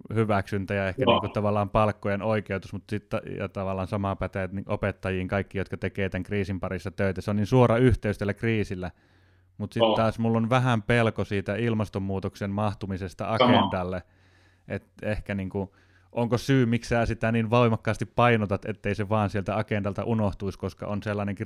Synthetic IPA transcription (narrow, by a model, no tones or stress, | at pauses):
hyʋæksynt̪æjɑehkæniːŋkut̪ɑʋɑlːˑɑːmpɑlkːojenoikeut̪usmut̪sit̪ɑjɑ̰t̪ɑʋɑlːˑɑːnsɑmɑpæt̪æjt̪niʔopet̪ːɑjiːŋkɑikːijot̪kɑt̪ekeːt̪æŋkriːsimpɑrisːɑt̪øˑit̪æseonninsuorɑyht̪eyst̪eælːækriːsilːæ | mut̪sitt̪t̪ɑːsmulːonʋæhæmpelkosiːt̪æilmɑst̪omːuːt̪oksenmɑht̪umisest̪ɑ̰ɑkend̥̪ɑlːe | ʔet̪ehkæniːŋku | ʔoŋkosyːmiksæːsit̪æniːnʋɑimɑkːɑːst̪ippɑinot̪ɑt̪ḛt̪ːeiseʋɑːnsielt̪æɑkend̪ɑlt̪ɑ̰ʔunoht̪uiskoskɑ̰onselːɑneŋk